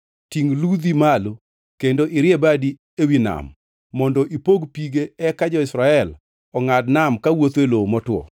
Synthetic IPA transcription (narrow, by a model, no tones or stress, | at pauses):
tiŋlud̪imalo | kendoʔɪɾjebadi | ewina̰mː | ɔndɔʔipoɡpiɡeɛkad͡ʒɔɪsɾaɛl | ɔŋadnamkawot̪welomɔtwɔ̰